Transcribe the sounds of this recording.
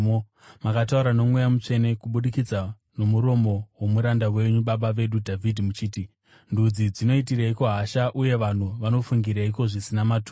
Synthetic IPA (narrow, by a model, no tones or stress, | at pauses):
makatauɾano̞mwe̞jamut͡ʂe̞ne̞kuɓuɗikid͡za | no̞muɾo̞mo̞wo̞muɾandawe̞ɲuɓaɓaʋe̞ɗudʱavʱidʱimut͡ʃiːti | ndud͡zid͡zino̞itiraiko̞ɦaʃaʔuje̞ʋan̤uʋano̞fuŋɡiɾaiko̞ʐisinamatuː